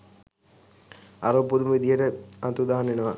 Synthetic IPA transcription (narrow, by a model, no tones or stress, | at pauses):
aɾuʋpud̪uməid̪ijəʈəɐt̪ud̪aːanenəʋa